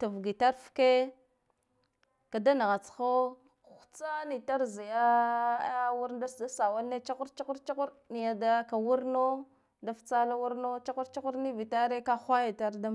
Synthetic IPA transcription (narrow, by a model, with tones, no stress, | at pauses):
ta˨vɡi˨ta˦ɾfke˦ | ka˨da˦na˨ɣa˨t͡sxo˦˨ | xu̥˨t͡sa˦ni˨ta˦ɾzi˨ja˦ | wu˦ɾda˦da˦sa˨wa˦lnːe˦t͡ʃa˦ku˦ɾt͡ʃa˦ku˦ɾt͡ʃa˦ku˦ɾni˨ja˨da˦ka˨wu˦ɾno˦ | da˨ft͡sa˦la˦wu˦ɾno˦t͡ʃa˦ku˦ɾt͡ʃa˦ku˦ɾni˦vi˨ta˦ɾe˦ka˦xʷa˦ja˨ta˦ɾda˦